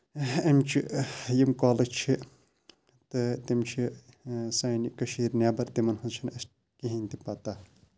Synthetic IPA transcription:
ɐmt͡ʃʰijimkaːlɐt͡ʃʰi | t̪ɨt̪imt͡ʃʰi | saːjnikɐʃiːɾnjaːbɐɾt̪imɐnhɐt͡ʃʰinɐs | kiɦinʲt̪ipat̪aː

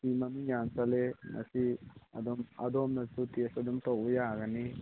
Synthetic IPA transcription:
simɐmijansɐlemɐ̰siɐ̰d̪ɔmɐ̰d̪omnɐsutiɐsɐd̪umt̪owbɐjaɡɐni

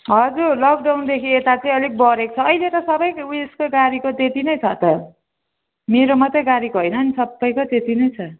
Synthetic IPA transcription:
ɦʌd͡zurlʌk̚ɖawnd̪ekʰiet̪at͡sʌĩʌlik̚bʌɾeko̥t͡sʰʌːʌjlet̪ʌsʌbʌjeskoɡaɾikot̪et̪inʌjt͡sʰʌt̪ʌ | meɾomʌt̪ʌɡaɾikoɦojnʌːnisʌbːʌjkot̪et̪inʌjt͡sʰʌ

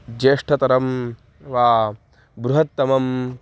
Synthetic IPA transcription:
d͡ʒeːʂʈʰɐt̪ɐɾɐm | ʋaː | bɾuɦɐt̪ːɐmɐm

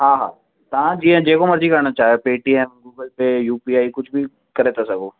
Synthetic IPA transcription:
ɦãːɦa̰ː | t̪ɐʋãd͡ʒiẽd͡ʒeːkomɐɾd͡ʒikɐɾɽ̃at͡ʃaːɦjopeːʈiɛ̃mɡuːɡəlpejuːpiːaːikʊd͡ʒʱbʱi | kɐɾeːt̪asɐɡoː

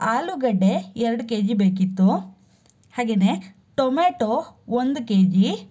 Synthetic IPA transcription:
aːluɡɐɖeɛɾɐɽukeːd͡ʒibeːk̬it̪ːu | haːɡe̞ːne̞ | ʈomeːʈoond̪ukeːd͡ʒi

